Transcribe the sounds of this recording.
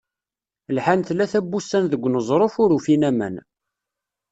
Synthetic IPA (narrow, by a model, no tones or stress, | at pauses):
lħant̪lːæθæbːusːænðəɡʷːnəzˤɾˤofʊɾufinæmæ̰n